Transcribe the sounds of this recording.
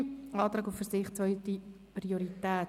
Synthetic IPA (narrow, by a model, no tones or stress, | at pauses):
ɑːtɾɑːɡufəɾsɪχt͡svœʏti | prioɾitæː